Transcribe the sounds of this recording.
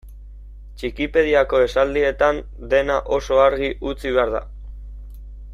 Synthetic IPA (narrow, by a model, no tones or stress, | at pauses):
t͡ʃikipe̞ðiako̞e̞sald̪ie̞t̪an | d̪e̞naʔo̞so̞aɾɣiʔut͡siβe̞aɾða̰